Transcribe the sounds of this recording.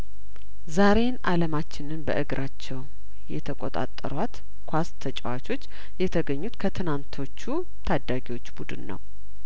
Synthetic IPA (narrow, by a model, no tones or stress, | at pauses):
zaɾe̞nʔaləmat͡ʃːɪnɨnbə̰ʔɨɡɾʔat͡ʃːɛw | jɛt̪ʰəkʷʼot̪ʼa̰t̪ʼːə̰ɾwat̪ | kʰʷast̪ʰət͡ʃʼəwat͡ʃʰo̞t͡ʃː | jɛt̪ʰəɡəɲːut̪kʰət̪ʰɨnant̪ʰo̞t͡ʃːu | t̪ʰad̪ːaɡiwo̞t͡ʃːbud̪ɨnːə̰w